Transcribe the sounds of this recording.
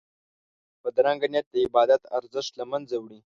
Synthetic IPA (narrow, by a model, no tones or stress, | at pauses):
pəd̪ɾaŋɡanjat̪̚d̪əɪbɑd̪at̪a̰ɾzəʂʈ̪lamanzawɽi